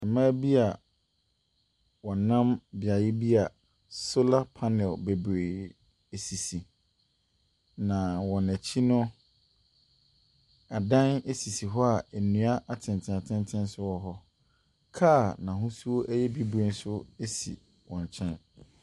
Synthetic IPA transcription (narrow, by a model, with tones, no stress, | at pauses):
ɛ˨mãː˦bi˦a˨ | wɔ̃˨nã˦mbɪ˨a˨jɪ˦bi˦a˨ | so˦la˦pʰa˦nɛ˨lbe˨bɾe˨ | e˨si˨si˨ | nã˨wɔ̃˨næ˨t͡ɕʰi˦nʊ̃˦ | a˨dã˦ne˦si˨si˨ɦɔ˦a˨æ˨nũ˨a˦ʔa˨tʰɪ̃˨n˨tʰɪ̃˨a˨tʰɪ̃˦ntʰɪ̃˦nsʊ˦wɔ˨ɦɔ˦ | kʰaː˦˨nã˨ɦʊ̃˦su˦o˦ʔæ˦jɛ˦bi˦bɾe˨n˦sʊ˦e˦sḭ˨ | wɔ̃˨ɲ˨t͡ɕʰɛ̃˦n